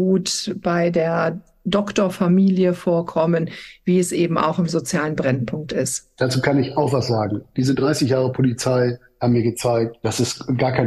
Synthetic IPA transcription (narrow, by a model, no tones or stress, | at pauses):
uːtb̥aɪdeːɐ | dɔktoɐfamiːljəfoːɐkʰɔmənviːɛsʔeːbm̩ʔa̰ʊxɪmzot͡sjaːlənbʁɛnpʰʊŋk̚tɪstd̥aːt͡suːkʰanɪçaʊxv̥asz̥aːɡŋ̩d̥iːzədʁaɪsɪçjaːʁəpʰolit͡saɪ | hatmiːɐɡət͡saɪk̚td̥asɛstɡaːɐkʰaɪn